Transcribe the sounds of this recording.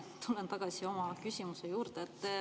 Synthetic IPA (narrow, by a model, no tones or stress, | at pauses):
t̪ulːent̪ɑɡ̥ɑsio̞mɑkysimusejuːɾd̪eet̪ː